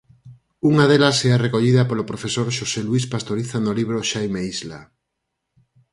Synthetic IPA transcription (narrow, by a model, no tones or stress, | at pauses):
uŋaðelɐsɛarekoʎiðɐpolopɾofesoɾʃoseluispast̪oɾiθanoliβ̞ɾoʃajmeizla